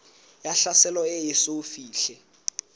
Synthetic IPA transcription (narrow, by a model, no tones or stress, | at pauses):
jaɬasɛlɔejɪsofiːɬɛ